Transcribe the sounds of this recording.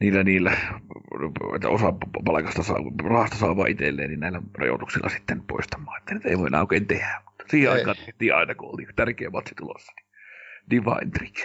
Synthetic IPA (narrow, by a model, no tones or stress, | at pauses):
niːlːæniːlːæ | ḛt̪ːæ̰osɑppɑlɑkɑst̪ɑsɑ̰rɑhɑst̪ɑsɑˑːʋˑɑ̰ʔit̪ḛlːḛːnninnæˑilːærɑ̰jo̰t̪uksilːʔɑ̰si̥t̪ːenpo̰ist̪ɑmˑɑːet̪ːænyt̪ḛˑiʋoˑinʔɑˑokˑeint̪ehæmmu̥t̪ːɑ̥siːheʔɑˑikɑːnt̪eht̪ˑiːʔɑ̰ˑenɑkuʔʔo̰lt̪it̪ærkˑeːmːˑɑt̪sit̪ulo̰sːɑ̥ni | diʋɑ̰int̪rik